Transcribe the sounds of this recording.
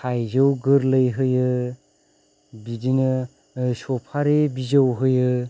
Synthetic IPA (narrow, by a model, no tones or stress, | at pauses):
hajzɯwɡɯɾlɯjɦɯjɯ | bidinɯ | sɔpʰaɾebizəwɦɯjɯ